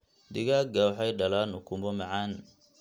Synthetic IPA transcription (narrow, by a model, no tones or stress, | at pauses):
d̪ɪɣaːɡawħajɖɐlaːnʊkʰʊmɔmɐʕaːn